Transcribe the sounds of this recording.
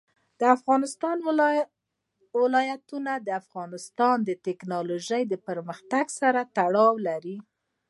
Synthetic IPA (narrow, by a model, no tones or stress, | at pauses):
d̪̥əafɣɑnɪst̪ɑn | wɪlɑjat̪unad̪əafɣɑnɪst̪ɑnd̪ət̪ɪknɑloʒəjd̪əpəɾməxt̪aɡsaɾat̪aɽɑwlaɾi